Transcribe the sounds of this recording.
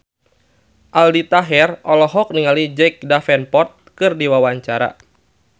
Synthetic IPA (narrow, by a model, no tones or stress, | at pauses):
ʔaldit̪aɦɛrɔlɔɦɔk̚niŋalid͡ʒɛk̚dafɛnpɔt̪̚kɨrdiwawaɲt͡ʃaɾa̰